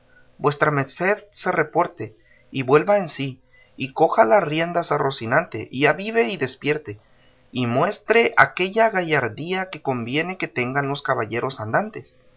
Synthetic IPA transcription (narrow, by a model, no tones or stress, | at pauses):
bwe̞st̪ɾame̞ɾse̞ðse̞re̞po̞ɾt̪e̞ | iβwe̞lβaensiː | ko̞xalarje̞nd̪asarosinant̪eʔiʝaβiβe̞iðe̞spje̞ɾt̪e̞ | imwe̞st̪ɾe̞ʔa̰ke̞ʝaɣaʝaɾðiake̞ko̞mbje̞ne̞ke̞t̪e̞ŋɡanlo̞skaβaʝe̞ɾo̞sand̪ant̪e̞s